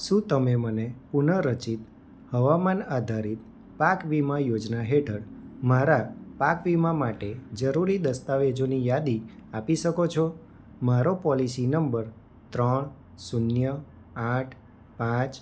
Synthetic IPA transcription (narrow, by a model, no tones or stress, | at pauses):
ʃũt̪əmemənepunəɾət͡ʃit̪ | həʋamanad̪ʱaɾit̪̚ | pakʋimãjod͡ʒnaɦeʈʰəɽmaɾapakʋimãmaʈed͡ʒəɾuɾid̪əst̪aʋed͡ʒonijad̪iapiʃəkot͡ʃʰɔ | maɾopɔlisinəmbəɾ | t̪ɾəɳ | sunjə | aʈʰ | pãt͡ʃ